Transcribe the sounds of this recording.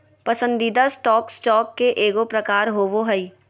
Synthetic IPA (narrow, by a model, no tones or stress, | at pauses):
pɐsə̃nd̪iːd̪asʈɔːksʈɔːkːeʔeːɡopɾɐkaːɾɦoːʋoɦɐi